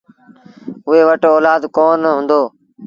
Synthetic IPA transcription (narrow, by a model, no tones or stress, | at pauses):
ʊɦeːʋəʈoːlaːd̪koːnəɦʊ̃nd̪oː